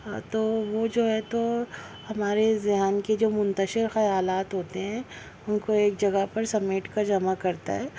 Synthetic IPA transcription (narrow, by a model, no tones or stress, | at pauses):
t̪oːʋod͡ʒoːɦɛt̪o | hɐmaːɾezɪɦaːnked͡ʒoːmʊ̃nt̪əʃɪɾxɐjaːlaːt̪ɦoːt̪eɦɛ̃ | ʊnkoeːk̚d͡ʒɐɡəɦpɐɾsɐmeːʈkad͡ʒɐmakɐɾt̪a̰ɦɛː